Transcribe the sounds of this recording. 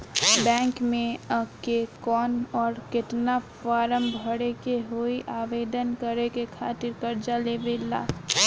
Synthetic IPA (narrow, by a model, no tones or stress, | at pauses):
bɛ̃ːŋkmẽəkekɔːnɔːɾkɪt̪nafaːɾəmbʱəɽekeɦoiʔaːʋeːd̪ənkəɾekekʰaːt̪ɪɾkɐɾd͡ʒaleːbeːla̰ː